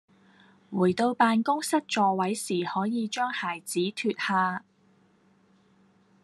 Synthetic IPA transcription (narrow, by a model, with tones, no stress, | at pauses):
wuː˨˩jt̪o˧wpaː˧nkʊ˥ŋsɐ˥t̚t͡ʃɔː˧wɐ˨˥jsiː˨˩hɔː˨˥jiː˨˧t͡ʃœː˥ŋhaː˨˩jt͡siː˨˥t̪ʰyː˧t̚haː˧